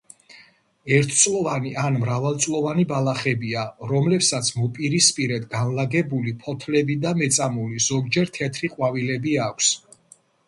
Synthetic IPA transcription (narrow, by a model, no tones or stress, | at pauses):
ɛɾt̪ʰt̪sʼlˠɔvaniʔanmɾavalˠt̪sʼlˠɔvanibalˠaχɛbiaɾɔmlɛpsat̪sʰmɔpʼiɾispʼiɾɛd̪ʰɡanlaɡɛbulipʰɔt̪ʰlɛbid̪amɛt̪sʼamuliz̥ɔɡd͡ʒɛɾt̪ʰɛt̪ʰɾiqʼwavilɛbiakʷʰs